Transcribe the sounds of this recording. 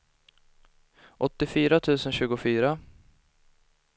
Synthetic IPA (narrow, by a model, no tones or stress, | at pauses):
ʔɔt̪ːɪfyːɾat̪ʰʉ̟ːsənɕʉ̟ːɡʊfyːɾa